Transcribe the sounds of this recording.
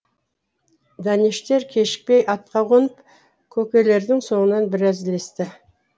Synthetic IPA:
d̪ɑneʃt̪e̞ɾkʲʰe̞ʃɪ̥k̚pe̞jʔɑt̪̚qɑʁonəp | kʲʰɵkʲe̞le̞ɾd̪ɪŋso̞ɴənɑnbɪɾæzɪle̞st̪ɪ

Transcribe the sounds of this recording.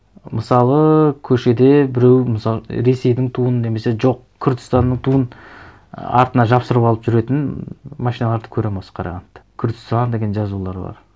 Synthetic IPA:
məsɑlˠəkʲʰɵʃe̞d̪e̞bɪɾe̞wməsɑɾe̞se̞jd̪ɪŋt̪ʰuənəne̞me̞se̞ʒo̞q | kʲʰʏɾd̪ɪst̪ɑnːəɴt̪ʰuən | ɑ̰ɾt̪ənɑʒɑpsəɾəpɑlˠəpʒʏɾe̞t̪ɪnmɑʃijnɑlˠɑɾd̪əkʲʰɵɾe̞mɑsqʰɑɾɑ̰ʁɑnt̪ːkʲʰʏɾd̪ɪst̪ɑnd̪e̞ɡʲenʒɑzulˠɑɾəbɑ̰ɾ

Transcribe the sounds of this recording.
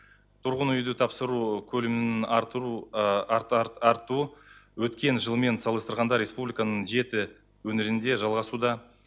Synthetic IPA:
t̪ʰʊɾʁənʏjd̪ɪt̪ʰɑpsəɾukʲʰɵlɪmɪɪu | ɑɾt̪uwɵt̪kʲe̞nʒəlˠme̞nsɑlˠəst̪əɾʁɑnd̪ɑɾʲːe̞spublʲijkanəɴʒe̞t̪ɪ | wɵnɪɾɪnd̪e̞ʒɑlˠʁɑsud̪ɑ

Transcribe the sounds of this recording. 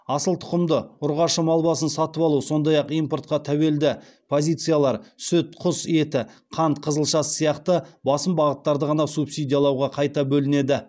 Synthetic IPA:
ɑsəlˠt̪ʰʊ̥qəmd̪əʊɾʁɑʃəmɑlˠbɑsənsɑt̪əpɑlˠuso̞nd̪ɑjɑqijmpo̞ɾt̪̚qɑt̪ʰæwe̞ld̪ɪ | pʰo̞zʲijt̪sɨjalˠɑɾsʏt̪̚qʰʊse̞t̪ɪqʰɑnt̪qʰəzəlˠʃɑsə̥sijɑqt̪əbɑsəmbɑʁət̪ːɑɾd̪əʁɑnɑsupsijd̪ʲijalˠɑwʁɑqʰɑjt̪ɑbɵlɪne̞d̪ɪ

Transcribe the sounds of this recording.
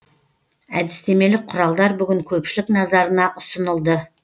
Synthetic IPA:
æd̪ɪst̪e̞me̞lɪk̚qʰʊɾɑlˠd̪ɑɾbʏɡʲɪŋkʲʰɵpʃɪlɪknɑzɑɾənɑʔʊsənəlˠd̪ə

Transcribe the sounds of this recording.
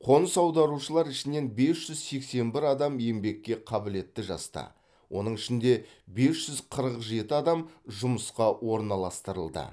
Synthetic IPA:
qʰo̞nsɑwd̪ɑɾuʃəlˠɑɾɪʃɪne̞nbe̞sʒ̥ʏzse̞kse̞nbɪɾɑd̪ɑmje̞mbe̞kʲːe̞qʰɑbɪle̞t̪ːɪʒɑ̰st̪ɑ̰ | wʔo̞n̪əɴɪʃɪnd̪e̞ | be̞sʒ̥ʏzqʰəɾəqʒe̞t̪ɪɑd̪ɑmʒʊməsqɑwo̞ɾnɑlˠɑst̪əɾəlˠd̪ə̰

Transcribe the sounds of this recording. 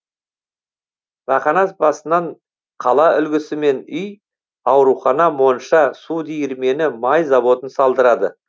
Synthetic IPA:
ʁɑqɑnɑsbɑsənɑɴ | qʰɑlˠɑʔʏlɡʲɪsɪme̞nʏj | ɑwɾuχɑnɑmo̞nʃɑsud̪ijɪɾme̞nɪmɑjzɑβo̞t̪ənsɑlˠd̪əɾɑd̪ə

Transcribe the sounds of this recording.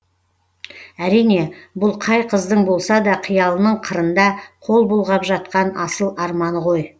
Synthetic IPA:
æɾijne̞bʊlˠqʰɑjqʰəzd̪əɴbo̞lˠsɑd̪ɑqʰəjɑlˠənəɴqʰəɾənd̪ɑqʰo̞lˠbolˠʁɑpʒɑt̪̚qɑnɑsəlˠɑɾmɑnəʁo̞j

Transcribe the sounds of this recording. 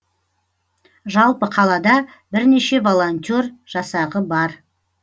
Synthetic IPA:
ʒɑlˠpəqʰɑlˠɑd̪ɑ | bɪɾne̞ʃe̞vo̞lˠonʲt̪ʲorʒ̥ɑsɑʁəbɑɾ

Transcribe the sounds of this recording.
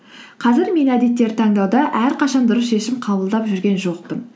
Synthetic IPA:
qʰɑzɪɾme̞næd̪e̞t̪ːe̞ɾt̪ʰɑŋd̪ɑwd̪ɑʔæɾqʰɑʃɑnd̪ʊɾəsʃe̞ʃɪmqʰɑbəlˠd̪ɑpʒʏɾɡʲe̞nʒo̞q̚t̪ən

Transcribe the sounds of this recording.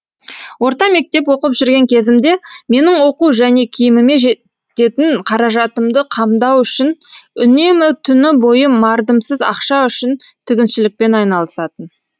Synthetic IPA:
wo̞ɾt̪ɑme̞k̚t̪e̞pwo̞qəpʒʏɾɡʲe̞ŋkʲʰe̞zɪmd̪e̞me̞nɪɴwo̞quʒæne̞kʲʰijɪmɪme̞ʒe | t̪e̞t̪ɪɴqʰɑɾɑʒɑt̪əmd̪əqʰɑmd̪ɑwʏʃɪnʏne̞mɪt̪ʰʏnɪbo̞jəmɑɾd̪əmsəzɑ̰qʃɑʏʃɪnt̪ʰɪɡʲɪnʃɪlɪk̚pe̞nɑjnɑlˠəsɑt̪ən

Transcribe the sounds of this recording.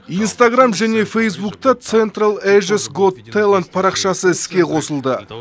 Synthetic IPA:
ijnst̪aɡramʒæne̞fʲejs̬bukt̪ɑt̪sent̪ralˠeʒesɡod̪ʰːejlˠant̪̚pʰɑɾɑqʃɑsəɪskʲe̞qʰo̞səlˠd̪ə

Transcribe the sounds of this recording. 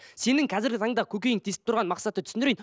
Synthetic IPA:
se̞nɪŋqʰɑzɪɾɡʲɪt̪ʰɑɴd̪ɑkʲʰɵkʲe̞jɪŋt̪ʰesɪ̥p̚t̪ʊɾʁɑnmɑqsɑt̪ət̪ʰʏ̥sɪnd̪ɾejn

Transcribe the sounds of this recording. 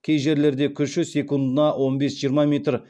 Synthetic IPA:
kʲʰe̞jʒe̞ɾle̞ɾd̪e̞kʲʰʏʃʃɪzsʲe̞kund̪ənɑwʔo̞nbe̞sʒijəɾmɑmʲet̪r

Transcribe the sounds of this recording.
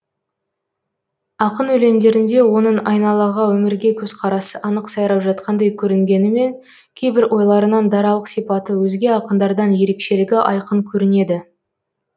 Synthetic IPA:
ɑqənɵle̞nd̪e̞ɾɪnd̪e̞wo̞nəɴɑjnɑlˠɑʁɑwɵmɪɾɡʲekʲʰɵz̥qʰɑɾɑsəʔɑnəqsɑjɾɑpʒɑt̪̚qʰɑnd̪ɑjkʲʰɵɾɪŋɡʲe̞nɪme̞ŋ | kʲʰejbɪɾʔo̞jlˠɑɾənɑnd̪ɑɾɑlˠəqsijpɑt̪əwɵzɡʲe̞ɑqənd̪ɑɾd̪ɑnje̞ɾe̞kʃe̞lɪɡʲɪʔɑjqəŋkʲʰɵɾɪne̞d̪ɪ

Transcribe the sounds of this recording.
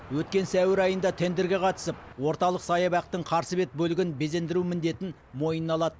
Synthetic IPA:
wɵt̪̚kʲe̞nsæwɪɾɑjənd̪ɑt̪ʰe̞nd̪eɾɡʲe̞qʰɑt̪ə̥səpwo̞ɾt̪ɑlˠəqsɑjəbæq̚t̪əɴqʰɑɾsəbe̞t̪̚bɵlɪɡʲɪnbeze̞nd̪ɪɾumɪnd̪e̞t̪ɪn | mo̞jənɑlˠɑd̪ə

